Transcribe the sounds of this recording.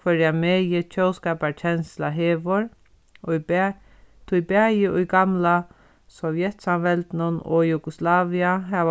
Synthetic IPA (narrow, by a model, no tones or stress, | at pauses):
fœɾjameːjɪt͡ʃʰœwskaːpaɾt͡ʃʰɛnslaɦeːʋʊɾ | ʊj | t̪ʰʊjbæːjɪʔʊjɡamla | sɔvjɛt̪samʋɛlt̪nʊnɔ̰juɡʊslaːʋiaɦɛːʋ